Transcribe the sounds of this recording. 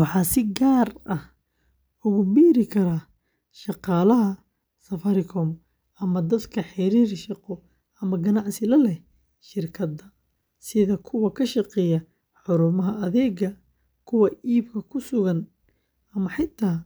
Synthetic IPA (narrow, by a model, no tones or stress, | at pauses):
wɑħɑːsɪɡaːrɐh | ʊɣʊbiːɾɪkʰɐɾɐ | ʃɑqɑːlɐɦɐ | sɐfɐɾɪkʰɔm | ɐmɐd̪ɐd̪kʰɐħɪɾiːrʃɑqɔ | ɐmɐɡɐnɑʕsɪlɐlɛ | ʃɪrkʰɐd̪ɐ | sɪðɐkʰʊwɐkʰɐʃɑqɛːjɐ | ħʊɾʊmɐɦɐʔɐðɛːɡɐ | kʰʊwɐiːbkʰɐkʰʊsʊɣɐn | ɐmɐħɪt̪ʰːaː